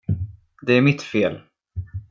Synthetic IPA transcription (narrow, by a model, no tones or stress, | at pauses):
d̪ɛæɾmɪt̪feːl